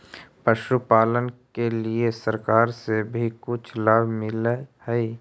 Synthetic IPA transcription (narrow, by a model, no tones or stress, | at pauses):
pəʃupaːlənkeliesəɾkaːɾsebʱikʊt͡ʃʰlaːbʱmɪlehɛi